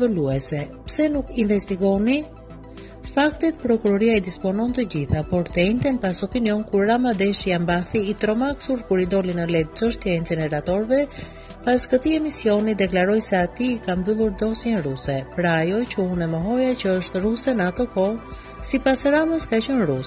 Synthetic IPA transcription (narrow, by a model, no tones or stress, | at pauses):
vəluɛsɛpsɛnukinvɛst̪iɡɔni | fakt̪ɛt̪pɾɔkuɾɔɾiaid̪ispɔnɔnt̪əɟiθapɔɾt̪əɛnt̪ɛnpasɔpiniɔnkuɾːamad̪ɛʃijambaθiːt̪ɾɔmaksuɾkuɾid̪ɔlinəlɛd̪̚t͡ʃəʃt̪jɛɛnt͡sɛnɛɾat̪ɔɾvɛ | paskət̪iɛmisiɔnid̪ɛklaɾɔjsɛat̪iːkambylˠuɾd̪ɔsjɛnɾusɛpɾaːjɔcəunɛməɦɔjat͡ɕəəʃt̪ɾusɛnat̪ɔkɔ | sipasɾaməskacɔnɾus